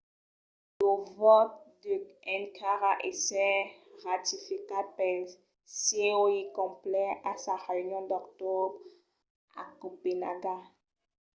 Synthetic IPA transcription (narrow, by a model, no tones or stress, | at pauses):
lovɔt̪̚d̪əɛnkʰaʁaʔɛsɛʁat̪ifikapɛl | sɛoikɔ̃plɛasaʁeynjɔ̃d̪ɔkt̪ɔb | a̰kopenaɡa